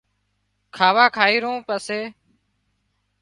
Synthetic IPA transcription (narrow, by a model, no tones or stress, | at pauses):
kʰaːʋaːkʰaːiːɾõːpəseː